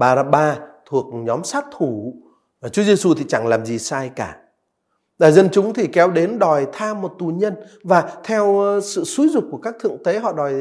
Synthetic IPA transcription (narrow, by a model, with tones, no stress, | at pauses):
ɓaː˧zaː˧ɓaː˧t̪ʰu˨˩ək̚ɲɔ˨˦msaː˦˥t̚t̪ʰu˧˩ | vaː˨˩t͡ɕu˨˦ze˧su˧t̪ʰi˨˩t͡ɕa˧˩ŋlaː˨˩mzi˨˩saː˧jkaː˧˩ | ɗaː˨˩jzə˧nt͡ɕʊ˨˦ŋ͡mt̪ʰi˨˩kɛ˨˦wɗe˨˦nɗɔ˨˩jt̪ʰaː˧mːo˨˩t̚t̪u˨˩ɲə˧n | vaː˨˩t̪ʰɛ˧wsɨ̰˧˨su˨˦zʊ˨˩k͡p̚kːu˧˩əkaː˦˥k̚t̪ʰɨ̰˧˨əŋt̪e˨˦ɦɔ̰˧˨ɗɔ˨˩j